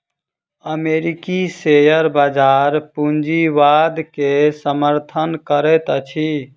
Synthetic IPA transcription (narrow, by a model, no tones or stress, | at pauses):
əmeɾikisejəɾbad͡ʒaɾpund͡ʒiʋad̪kesəməɾt̪ʰənkəɾɛt̪ət͡ʃʰi